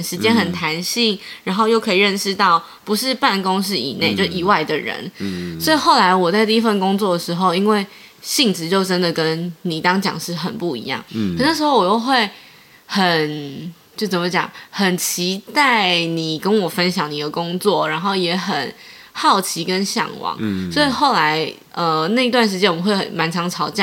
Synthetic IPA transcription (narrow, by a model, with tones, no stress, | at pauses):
ʂɻ̩˧˥t͡ɕjɛ˥nxə˨˩nt̪ʰa˧˥nɕi˥˩ŋɻa˧˥nxo˥˧ʊjo˥˩ʊkʰɤ˧˥i˨˩ɻə˥˩nʂɻ̩˥˧t̪ɑ˥˩ʊ | pu˧˥ʂɻ̩˥˧pa˥˩nko˥ŋʂɻ̩˥˩ḭ˨˩ne˥˩ɪt͡ɕo˥˧ʊ˥˨i˨˩wa˥˩ɪd̪ə˨˩ɻə̰˧˦nswɔ˧˥i˨xo˥˩ʊla˧˥ɪwɔ˨˩t͡sa˥˧ɪt̪i˥˧˥fə˥˩nkʊ˥ŋt͡swɔ˥˩d̪ə˩ʂɻ̩˧˥xo˥˧ʊi˥nwe˥˩ɪ | ɕi˥˩ŋʈ͡ʂɻ̩˧˥t͡ɕjo˥˩ʊʈ͡ʂə˦nd̪ə˨˩kə˦nni˨˩t̪ɑ˥ŋt͡ɕjɑ̰˨˩ŋʂɻ̩˥˩xə̰˨˩npu˥˩ḭ˧˥jɑ̰˥˩ŋə˨˩n˥˩ʂɻ̩˧˥xo˥˩ʊwɔ˨˩jo˥˧ʊxwe˥˩ɪ | xə˨˩nt͡ɕjo˥˩ʊt͡sə˨˩mə˧˦t͡ɕjɑ̰˨˩ŋxə˨˩nt͡ɕʰi˧˥t̪a˥˩ɪni˨˩kə˦nwɔ˨˩fə˦nɕjɑ˧˥ŋni˨˩d̪ə˩kʊ˥ŋt͡swɔ˥˩ɻa˧˥nxo˥˩ʊjɛ˧˥xə˨˩n | xɑ˥˩ʊt͡ɕʰi˧˥kə˦˥nɕjɑ̰˨˩ŋwɑ̰˧˥ŋswɔ˧˥i˨˩xo˥˩ʊla˧˥ɪ | ə˧˩na˥˩ɪi˧t̪wa˥˩nʂ̬ɻ̩˧t͡ɕjɛ˧˥nwnxwe˥˩ɪə̰˨˩nma˧˥nʈ͡ʂʰɑ˧˥ŋʈ͡ʂʰɑ˧˥ʊt͡ɕjɑ˥˩